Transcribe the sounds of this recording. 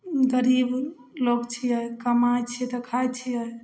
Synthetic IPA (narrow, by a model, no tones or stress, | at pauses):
ɡəɾib | lokt͡ʃʰiəkəmajt͡ʃʰit̪ɔkʰajt͡ʃʰiəj